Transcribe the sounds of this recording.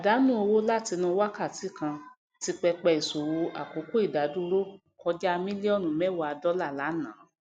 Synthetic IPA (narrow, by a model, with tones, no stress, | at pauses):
a˨da˨˦nũ˦o˧wo˦la˦˨ti˧nũ˧wa˦ka˦˨ti˨˦kã˧ | ti˧k͡pɛ˧k͡pɛ˧i˨so˨wo˧ʔa̰˨ko˨˦ko˦i˦˨da˨˦dũ˦ɾo˦˨kɔ˧d͡ʒa˦a˧mĩ˦li˦ɔ˦˨nũ˨mɛ˦wa˧a˧dɔ˦la˦˨la˨˦nãː˨˦